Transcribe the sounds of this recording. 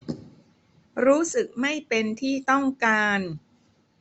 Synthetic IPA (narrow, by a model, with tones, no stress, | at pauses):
ɾuː˦˥sɯ˨˩k̚ma˥˩jpe˧nt̪ʰiː˥˩t̪ɔ˥˩ŋkaː˧n